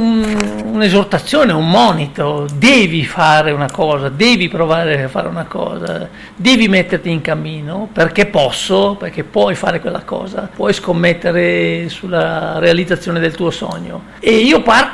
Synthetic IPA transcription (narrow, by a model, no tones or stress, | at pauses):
ununezort̪at̪sːjoːneumːɔːnit̪od̪ɛːvifaːɾeunakɔːzad̪ɛːvipɾovaːɾeafːa̰ːɾḛunakɔ̰ːza̰ | d̪ɛːvimɛt̪ːert̪iːŋkamːiːnoperkepːɔsːoperk̟epːwɔjfa̰ːɾekwelːa̰kɔ̰ːza̰pwɔjskomːɛt̪ːeɾesulːaɾealid̪zat̪sːjoːned̪elt̪uːosɔ̰ɲːo̰ | eiːopart̪